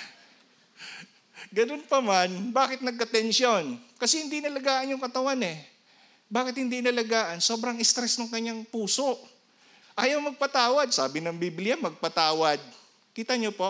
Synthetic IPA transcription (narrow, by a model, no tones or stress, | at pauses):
ɡɐnonpɐmanbaːkɪt̪̚nɐɡ̚kɐt̪ɛnsjo̞nkɐsɛhɪnd̪inɐlɐɡaːʔɐnjʊŋkɐt̪ɐwanɛ | baːkɪt̪̚hɪnd̪inɐlɐɡaːʔɐnso̞ːbɾɐŋɪst̪ɾɛsnoŋkɐɲːaŋpuːso̞ʔ | ʔaːjɐwmɐɡ̚pɐt̪aːwɐd̪̚saːbɪnɐŋbiblɪjamɐɡ̚pɐt̪aːwɐd̪̚ | kiːt̪ɐɲopo